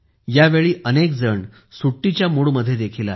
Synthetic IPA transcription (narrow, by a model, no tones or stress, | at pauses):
jaʋeɭiːʔənekd͡zəɳ | suʈːit͡ɕjamuɭməd̪ʱːjed̪ekʰila̰e